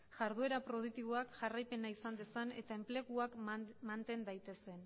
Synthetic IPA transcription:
ʝaɾðue̞ɾapɾo̞ð̞ukt̪iβoakʝarajpe̞naisand̪e̞sane̞t̪ae̞mple̞ɣuakmant̪e̞nd̪ajt̪e̞se̞n

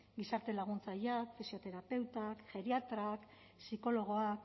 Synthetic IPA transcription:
ɡisaɾt̪e̞laɣ̞unt͡sajakfisio̞t̪e̞ɾape̞wt̪akʝe̞ɾiat̪ɾak | siko̞lo̞ɣ̞o̞ak

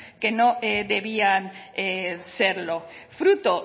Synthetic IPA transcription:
kenoʔeðe̞βianese̞ɾlo̞fɾut̪o

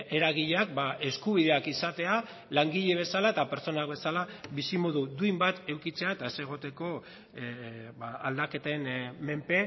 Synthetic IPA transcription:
eɾaɣiʎeak̚baʔe̞skuβiðe̞akisat̪e̞a | laŋɡiʎe̞β̞e̞salaet̪ape̞ɾt͡so̞nak̚be̞salaβisimoðud̪uimbat̪e̞wkit͡se̞aet̪aese̞ɣ̞o̞t̪e̞ko̞ | baald̪ake̞t̪enme̞mpe̞

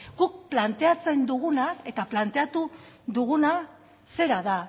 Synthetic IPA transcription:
ɡ̥uk̚plant̪e̞at͡se̞nd̪uɣunae̞t̪aplant̪e̞at̪u | ðuɣ̞una | se̞ɾaða

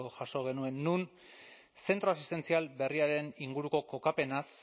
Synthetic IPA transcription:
oʝaso̞ɣ̞e̞nue̞nːun | se̞nt̪ɾo̞asist̪e̞nt͡sialbe̞riaɾe̞niŋɡuɾuko̞ko̞kape̞nas

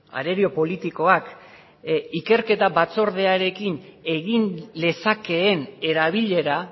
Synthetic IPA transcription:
a̰ɾe̞ɾio̞po̞lit̪iko̞ak | ike̞ɾke̞t̪aβat͡so̞ɾð̞e̞aɾe̞kine̞ɣinle̞sake̞ːne̞ɾaβ̞iʎe̞ɾa

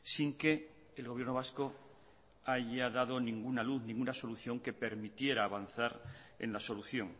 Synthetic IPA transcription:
siŋke̞ː | lɣo̞βjɾnoasko̞ | aʝaðað̞o̞nĩŋɡunaluθnĩŋɡunaso̞luθjo̞ŋke̞pe̞ɾmit̪je̞ɾaːβ̞anθaɾḛnlaso̞luθjo̞ŋ

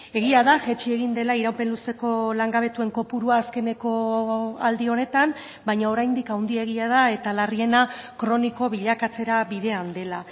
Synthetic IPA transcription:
e̞ɣiaðaʝet͡ʃie̞ɣind̪e̞laiɾawpe̞nlust̪e̞ko̞laŋɡaβ̞e̞t̪ue̞ŋko̞puɾuaːske̞ne̞ko̞ald̪io̞ne̞t̪am | bajɲao̞ɾajnd̪ikawnd̪ieɣ̞iað̞ae̞t̪alarie̞nakɾo̞niko̞βiʎakat͡se̞ɾaβiðe̞and̪e̞la

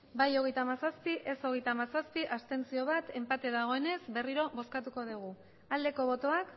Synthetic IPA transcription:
bajo̞ɣe̞jt̪amasaspiʔe̞so̞ɣ̞e̞jt̪amasaspiʔast̪e̞nt͡sio̞β̞at̪e̞mpat̪e̞ðaɣ̞o̞e̞ne̞sbe̞riɾo̞βo̞skat̪uko̞ðiɣ̞u | ald̪e̞ko̞β̞o̞t̪o̞ak

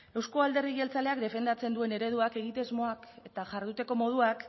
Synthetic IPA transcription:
e̞wsko̞ald̪e̞riɣelt͡sale̞ak̚d̪efe̞nd̪at͡se̞nd̪ue̞ne̞ɾe̞ð̞uake̞ɣit̪ezmo̞ake̞t̪aʝaɾð̞ut̪e̞ko̞mo̞ð̞uak

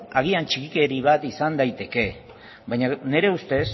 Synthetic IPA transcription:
aɣ̞iant͡ʃikike̞ɾiβat̪isand̪ajt̪e̞ke̞ | βajɲane̞ɾe̞ust̪e̞s

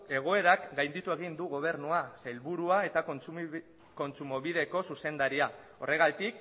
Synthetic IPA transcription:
e̞ɣ̞o̞e̞ɾakɡajnd̪it̪ue̞ɣ̞ind̪uɣo̞β̞e̞ɾnuasejlβuɾuae̞t̪a | ko̞nt͡sumo̞βiðe̞ko̞suse̞nd̪aɾia | o̞re̞ɣat̪ik̚

